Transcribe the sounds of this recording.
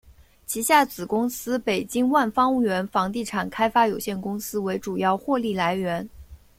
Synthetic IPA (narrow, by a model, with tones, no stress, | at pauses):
t͡ɕʰi˧˥ɕja˥˩t͡sɹ̩˨˩kʊ˥ŋsɹ̩˥pe˨˩ɪt͡ɕi˥ŋwa˥˩nfɑ˥ŋu˥˩ɥɛ˧˥nfɑ˧˥ŋt̪i˥˩ʈ͡ʂʰa˨˩nkʰa˥ɪfa˥jo˨˩ʊɕjɛ˥˩nkʊ˥ŋsɹ̩˥we˧˥ɪʈ͡ʂu˨˩jɑ˥˧ʊxwɔ˥˧li˥˩la˧˥ɪɥɛ˧˥n